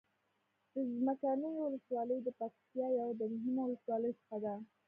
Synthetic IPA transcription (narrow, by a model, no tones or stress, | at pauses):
d̪̥əzmakanəjwʊləswɑləjd̪əpakt̪jɑjawd̪əmʊɦimowʊləswɑləjt͡sə̥xad̪a